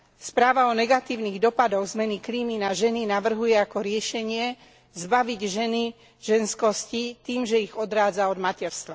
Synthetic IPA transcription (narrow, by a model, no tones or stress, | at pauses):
spɾaːʋaɔnɛɡat̪iːʊniːɣd̪ɔpad̪ɔɣzmɛnikliːminaʒɛninaʋr̩ɦujɛakɔɾɪɛʃɛɲɪɛ | zbaʋiɟʒɛni | ʒɛnskɔscit̪iːmʒɛiɣɔd̪ɾaːd͡zaɔd̪macɛɾst̪ʋa